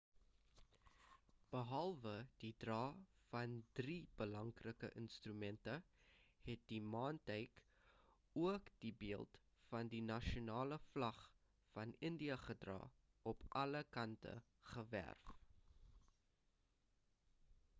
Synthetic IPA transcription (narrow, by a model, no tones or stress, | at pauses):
b̥əɦɐlˠvəd̥idrɑːfɐndrib̥əlɐŋkrəkə̰ʔənstrymɛntəhɛt̚dimɑːntəjk | uəkd̥ibiəlˠt | fɐndinɐʃonɑːləflɐχ | fɐnəndiəχədrɑ̰ː | ʔɔpʔɐləkɐntə̰ | χəvæ̰rf